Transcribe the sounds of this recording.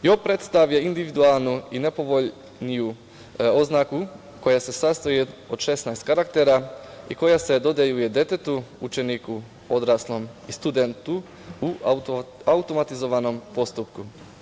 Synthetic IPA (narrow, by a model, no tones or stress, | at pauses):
jopɾe̞t̪st̪aʋjeind̪iʋid̪ualˠnuine̞po̞ʋo̞ʎ | niju | o̞znaku | ko̞jase̞sast̪ajeod̪ʃe̞snajst̪kaɾak̚t̪eɾaiko̞jase̞d̪o̞d̪ejujed̪e̞t̪et̪uut͡ʃe̞niku | o̞d̪ɾaslˠo̞mist̪ud̪ent̪u | u | aut̪o̞mat̪izo̞ʋano̞mpo̞st̪upku